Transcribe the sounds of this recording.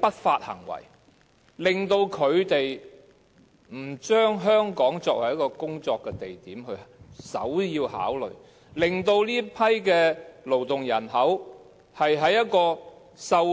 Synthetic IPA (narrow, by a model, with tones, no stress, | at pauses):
pɐ˥t̚faː˧t̚hɐ̰˨˩ŋwɐ̰˨˩j | lɪ˨ŋt̪o˧wkʰɵ˨˧ɥt̪e˨j | m̩˨˩t͡ʃœː˥ŋɦœː˥ŋkɔː˨˥ŋt͡sɔː˧k̚hɐ˨˩jɐ˥kɔː˧kʊ˥ŋt͡sɔː˧kːɛː˧t̪e˨jt̪iː˨˥mhɵ˧ɥsɐ̰˨˥wjiː˧wha̰ː˨˥wlɵ̰˨ɥ | lɪ˨ŋt̪o˧wliː˥pʰɐ˥jkɛː˧lo˨˩wt̪ʊ˨ŋjɐ˨˩nɦɐ˨˥w | hɐ˨jɦɐ˨˥jːɐ˥t̚kɔː˧ | sɐ˧w